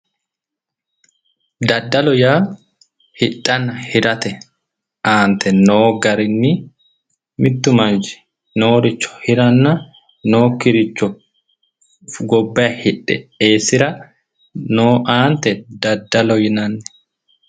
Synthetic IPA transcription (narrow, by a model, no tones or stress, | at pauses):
d̪ɐd̪ːɐlɔjaː | hɪᶑɐnɐhɪɾɐt̪ɛ | aːnt̪ʰɛnoːɡɐɾɪnːɪ | mɪt̪ːʊmɐnd͡ʒɪ̥ | noːɾɪt͡ʃːɔ̥hɪɾɐnːɐ | noːkɪɾɪt͡ʃːɔ | ɡɔbːɐɐhɪᶑːɛ̰eːsɪɾɐ | noːʔaːnt̪ɛd̪ɐd̪ːɐlɔjɪnɐnːɛ̥